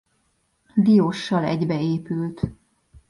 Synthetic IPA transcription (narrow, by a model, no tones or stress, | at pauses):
d̪ijoʃːɒlɛ̰ɟbɛeːpylt̪